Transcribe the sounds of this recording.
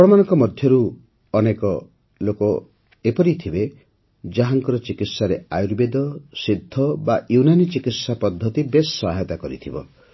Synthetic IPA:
ɔɽɔmanɔŋkɔmɔd̪ʱjɔɾuː | nekɔ | lokɔ | epɔɾit̪ʰibe | d͡ʒaɦaŋkɔɾɔt͡ʃikit̪saɾeajuɾbed̪ɔsid̪ʱːɔbajunanit͡ʃikit̪sapɔd̪ʱːɔt̪ibesːɔɦaɦet̪akɔɾḭt̪ʰibɔ̰

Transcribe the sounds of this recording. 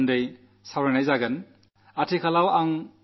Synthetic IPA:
ndej | sawɾanajzaɡɐn | atʰikʰalawaŋ

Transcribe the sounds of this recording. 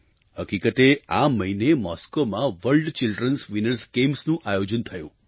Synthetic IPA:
həkikət̪ea̰məɦinemɔskomãʋəɭɖt͡ʃilɖɾənsʋinəɾsɡemsnũʔajod͡ʒənt̪ʰəjṵ̃

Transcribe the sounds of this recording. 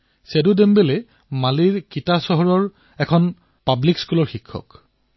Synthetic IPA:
sedudɛmbɛlɛ | maliɹkitasɔɦɔɹɔɹ | ɛkʰɔn | pablikskulɔɹxikʰːɔ̰k

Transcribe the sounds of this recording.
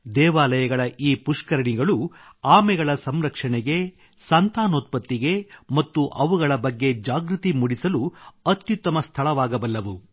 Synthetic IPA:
d̪ɛːʋaːlɐjɐɡɐɭɐʔiːpuʂkɐɾɐɳiɡɐɭuaːmɛɡɐɭɐsɐmɾɐkʂɐɳɛɡe̞ | sɐnt̪aːnoːt̪̚pɐt̪ːiɡe̞mɐt̪ːuʔɐʋuɡɐɭɐbɐɡːe̞d͡ʒaːɡɾut̪imuɽisɐluɐt̪jut̪ːɐmɐst̪ʰɐɭɐʋaːɡɐbɐlːɐʋu

